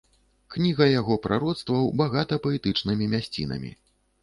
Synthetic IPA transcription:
knʲiɣɐjaɣɔpɾʔaɾɔt̪st̪vɐwbaɣat̪ɐpɐɛt̪ɨt͡ʂnɨmʲimʲasʲt͡sʲḭnɐ̰mʲḭ

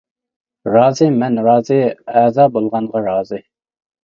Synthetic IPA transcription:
ɾɑːzɪmɛnɾɑːzɪɛːzɑːbolˠʁɑnʁɑɾɑːzɪ

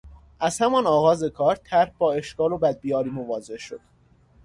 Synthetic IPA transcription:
ʔæz̥hæmɒnɒːɣɒːze̞kʰɒːɾt̪ʰæɾhbɒːe̞ʃkɒːlobæd̪̚bijɒːɾiːmovɒːze̞hʃo̰d̪̥

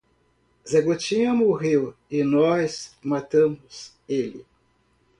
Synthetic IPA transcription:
zeɡot͡ʃĩɐmoɦewɪnɔzmat̪ɐ̃mʊz | elɪ̰

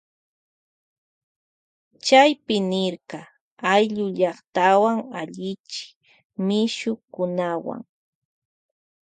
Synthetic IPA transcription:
t͡ʃajpɪnɪɾqɑ | ajʎʊʎɑχt̪awaŋaʎɪt͡ʃɪ̥ | mɪʃʊkʊnawa̰ŋ

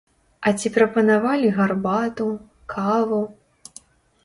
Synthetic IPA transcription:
ɐt͡sʲipɾɐpɐnavalʲiɣarbat̪u | kʰavu

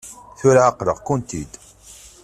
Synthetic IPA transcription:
θʊɾʕaqɾəʁkʊnt̪id̪

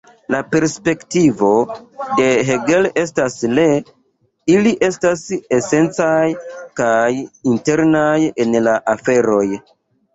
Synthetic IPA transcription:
lape̞ɾspe̞ktivo̞de̞ɦeɡe̞le̞stasle̞ | iliʔe̞stase̞se̞nt͡sajkajinte̞ɾnaje̞nlaʔafe̞ɾo̞j

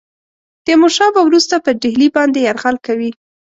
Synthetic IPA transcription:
d̪̥əmoʃɑbawɾust̪apəɖɪɦlibɑnd̪ejaɾɣalkawi

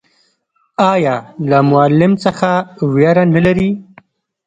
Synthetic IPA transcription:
ɑjɑːlamʊalːɪmsəxawjɑɾanəlaɾi

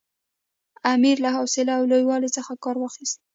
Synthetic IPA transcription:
amiɾlahɑwsɪlaːwlojwɑlet͡səxakɑɾwɑxist̪̚

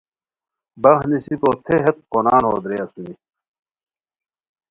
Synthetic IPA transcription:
bɐhnisipoːt̪ʰeɦɐt̪̚konaːnɦoːd̪ɾeɐsuni

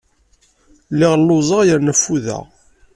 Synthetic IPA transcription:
lːɪʁlːʊzˤəʁjəɾnæfːuðæ̰

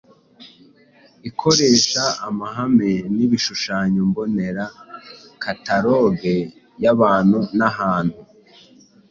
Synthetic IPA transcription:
ikʰo̞ɾe̞ːʃaːmaɦameniβiʃuʃaːɲombo̞ne̞ɾakataɾo̞ɡe | jaβaːn̥hunaɦaːn̥hu

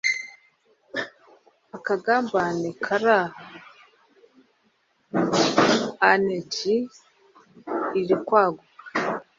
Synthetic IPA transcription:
akaɡaːmbanekʰaɾah | aneɟi | ɾikwaːɡuka

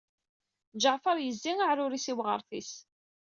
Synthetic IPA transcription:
d͡ʒəʕfɑɾˤjəzːiŋaʕɾʊɾisiwʁə̰ɾˤθis

